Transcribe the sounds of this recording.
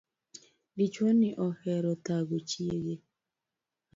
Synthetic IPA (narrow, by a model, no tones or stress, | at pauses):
dit͡ʃwoniʔɔhɛɾɔtaɡut͡ʃieɡe